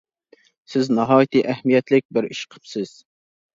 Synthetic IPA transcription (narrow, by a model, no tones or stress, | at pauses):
sɪznɑɦɑːjit̪ɨʔɛhmijɛt̪lɪk̚ʲbɪɾiʃqʰə̥psɪz̥